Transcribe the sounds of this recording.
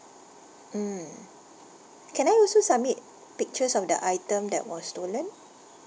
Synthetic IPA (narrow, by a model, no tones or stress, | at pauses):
m̩ | kɛ̃najɔlsosab̚mit̚ | pik̚t͡ʃəsɔfdə̰ʔajtə̃mdɛ̰t̚wɔstolə̃n